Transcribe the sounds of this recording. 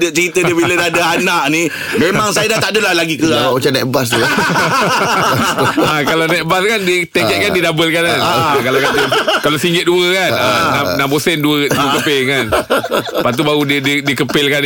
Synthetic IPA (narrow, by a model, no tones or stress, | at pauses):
dət͡ʃəɾit̪əəbilədaadaanaʔni | memaŋsajadat̪aʔdəlalaɡikəaat͡ʃanɛt̪̚bas̬t̪u | akalanɛt̪̚baskandit̪ekɛʔ̚kandidabəlkanankalakakalasiŋɡɪt̪̚duəkanananampəsɛnduəduəkəpɪlkanpat̪̬ubaɣudədidikəpɪlkan